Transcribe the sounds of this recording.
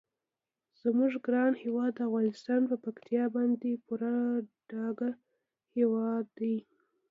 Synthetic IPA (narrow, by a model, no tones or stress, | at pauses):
z̥muʐɡɾɑnhewɑd̪ːəafɣɑnɪst̪ɑnpəpakt̪ʰijɑbɑnd̪epuɾaɖ̥ɑɡa | hewɑd̪ːaj